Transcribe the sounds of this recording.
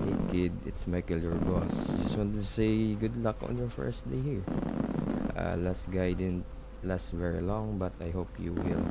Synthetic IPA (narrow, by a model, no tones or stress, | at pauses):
ḛkɪd̪̚ɪt̪smajkɪlɔɹɡɔsd͡ʒʌswɔ̃ntsejɡʊd̪lakʔɔ̰̃njɔɹfɛ̰ɹsd̪ejhiɹ | ʔa̰lastɡajd̪ɪnnt̪ | lasvɛɹilɔ̃ŋbɐt̪ajɦopjuwɪ̰l